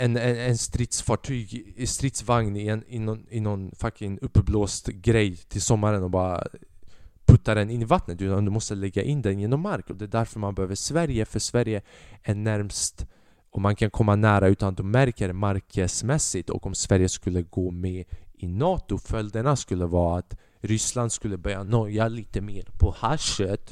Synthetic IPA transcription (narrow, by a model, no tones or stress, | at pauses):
ɛnɛɛnst̪ɾɪt̪sfɑːʈʰyːɡst̪ɾɪt̪svaŋnɪɛnɪnɔnɪnɔnfakːɛnɵpːbloːst̪ɡɾɛjt̪ʰɪlsɔmːaɾənɔbɑːɾa̰ | pʰɵt̪ːad̪ɛnɪnːɪvat̪nət̪ʉ̟ːt̪and̪ɵmɔst̪əlɛɡːaʔɪnːd̪ɛnjeːnɔmːaɾkɔd̪ɛːd̪æɾfœɾmanbɛhøːvəʂvæɾjəfœʂvæɾjəɛnæɾmst̪ | ɔmankʰankʰɔmːanæːɾaʉ̟ːt̪and̪ɔmːæɾkəɾmaɾkəsmɛsːɪt̪ɔ̰kɔmsvæɾjəskɵlːəɡoːmɛɪnɑːt̪ʊfœld̪əɳaskɵlːəvɑːaːt̪ | ɾʏsland̪skɵlːəbœɾjanɔjaliːt̪əmeːɾpʰɔhaʂət̪